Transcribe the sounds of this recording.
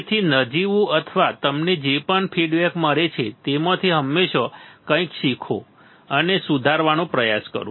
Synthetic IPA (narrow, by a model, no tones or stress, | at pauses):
t̪ʰinəd͡ʒiʋũət̪ʰʋat̪əmned͡ʒepəɳpʰiɖʋɛkməɾet͡ʃʰet̪emət̪ʰiɦəmːeʃokə̃ĩkʃikʰo̰ | ənesud̪ʱaɾʋanõpɾəjaskə̰ɾṵ̃